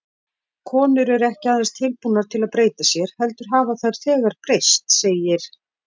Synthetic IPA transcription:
kʰɔːnʏɾɛɾɛhcɪaðast̪ʰɪlpunːaɾ̥t̪ʰɪlaðpɾeːjt̪asjɛɾ̥hɛlt̪ʏɾ̥ɦaːvaθaɾ̥θɛːɣaɾ̥pɾejst̪seːjɪɾ̥

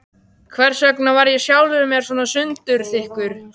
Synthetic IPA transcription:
kʰvɛɾ̥sœknavaɾjɛsjaːwlʏðʏmɛɾ̥swɔːnasʏnt̪ʏɾ̥θɪhkʏɾ̥

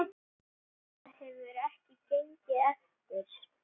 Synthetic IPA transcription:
hɛvʏɾɛhcɪt̪ʰejɲcɪɛft̪ɪɾ̥

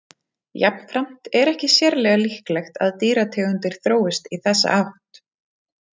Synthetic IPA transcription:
japn̥fɾam̥t̪ɛɾɛhcɪsjɛɾlɛːɣalihklɛxt̪a̰ðt̪iːɾat̪ʰɛːɣʏnt̪ɪɾ̥θɾoːwɪst̪iθɛsːa̰ʔawht̪

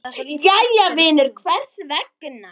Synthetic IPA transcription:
jajavɪːnʏɾkʰvɛr̥svɛkːnːa

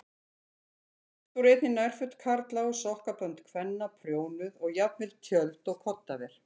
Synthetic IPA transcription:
θɔwɾejt̪nɪnajr̥fʏt̪kʰaɾt̪lawʏsɔhkapœnt̪kʰvɛnːapʰɾjoːwnʏðɔɣjapnvɪlt̪ʰjœlt̪ɔɣkʰɔt̪ːavɛɾ̥

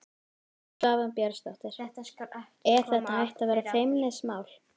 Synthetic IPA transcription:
vaːvampjɛɾst̪ɔht̪ɪɾ̥ | ɛɾ̥θɛht̪aɦajht̪avɛːɾaθejmnɛsmaːwl

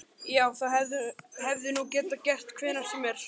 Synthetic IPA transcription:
jaːwθaɦɛvðʏhɛvðɪnucɛːt̪acɛr̥t̪kʰv̥ɪːðnḁsɛmɛɾ̥

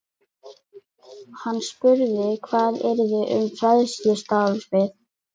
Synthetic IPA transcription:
hanːspʏɾðɪkʰvaːðɛɾðɪʔʏ̰mfɾaðsɪst̪aːlsvɪð

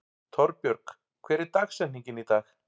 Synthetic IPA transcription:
t̪ʰɔɾpjœɾk | kʰvɛːɾɪɾt̪aksɛnniɲcɪnit̪aːx

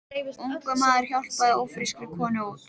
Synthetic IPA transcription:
uŋkamaːðɪɾ̥çjawl̥paðowfɾiskɾɪkʰɔːnɪɔ

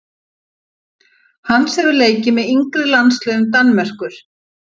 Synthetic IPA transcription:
hanːsɛvʏleːjcɪmɛðiŋkɾɪlanslœːɣʏmt̪anmɛr̥kʏɾ̥

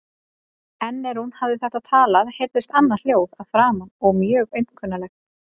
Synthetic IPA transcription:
ɛnːɛɾhunhavðɪθɛht̪at̪ʰaːlaðhejɾðɪst̪anːal̥joːwðaðfɾaːmanɔɣmjœːɣœɥjn̥kʰœnːalɛx

